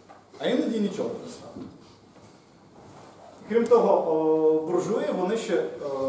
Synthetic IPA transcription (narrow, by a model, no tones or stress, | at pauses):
ɐjinɐd̪ʲijnʲit͡ʃɔɦɔnɛst̪a̰ʋʲɔ | ɔkɾʲimt̪ɔɦɔbɾʊʒujɛʋɔnɪʃt͡ʃɛ